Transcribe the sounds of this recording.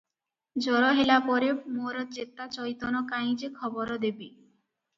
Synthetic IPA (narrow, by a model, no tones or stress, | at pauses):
d͡ʑɔɾoɦelapɔɾemoɾɔt̪̚d͡ʑet̪ːat͡ɕɔjt̪onokaj̃d͡ʑekʰɔboɾod̪ebi